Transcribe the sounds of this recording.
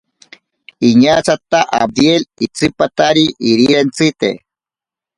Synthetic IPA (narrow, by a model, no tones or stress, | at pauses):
iɲat͡sat̪aʔa̰b̚d̪jelit͡sɨpat̪aɾiʔiɾiɾent͡sit̪ḛ